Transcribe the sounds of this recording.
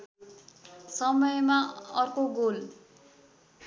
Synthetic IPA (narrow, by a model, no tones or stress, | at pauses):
sʌmʌjmaʌrkoɡol